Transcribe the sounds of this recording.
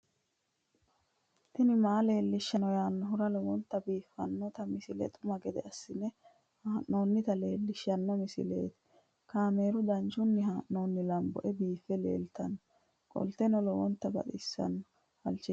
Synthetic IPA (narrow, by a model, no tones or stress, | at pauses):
t̪ɪnɪmaːle̞ːlːɪʃːɐnɔjaːnːɔɦʊɾɐlɔwɔnt̪ːɐbiːfːɐnːɔt̪ɐmɪsɪlɛ̰t̪ʼʊmɐɡɛd̪ɛ̰ɐsːɪnɛ | haːʔnoːnːɪt̪ɐle̞ːlːɪʃːɐnːɔmɪsɪ̰le̞̰ːt̪ɛ̥ | kaːme̞ːɾʊd̪ɐnt͡ʃʊnːɪɦaːʔːo̞ːnːɪlɐmbɔ̰ʔɛbiːfːɛlḛːlt̪ɐnːɔ | kʼɔ̰lt̪ɛnɔlɔwɔnt̪ːɐbɐ̰t̪ʼɪsːɐ̰nːɔ | fɐ̰lt͡ʃːɪ